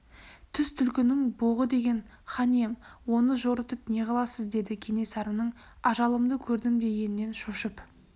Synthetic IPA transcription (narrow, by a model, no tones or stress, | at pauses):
t̪ʰʏst̪ʰʏlkʲɪnɪŋboʁəd̪e̞ɡʲe̞n | χɑnemwo̞nəʒo̞ɾət̪əpne̞qɑlˠɑsəzd̪e̞d̪ɪkʲʰe̞ne̞sɑɾəmnəɴ | ɑʒɑlˠəmd̪əkʲʰɵɾd̪ɪmd̪e̞je̞nɪne̞nʃoʃəp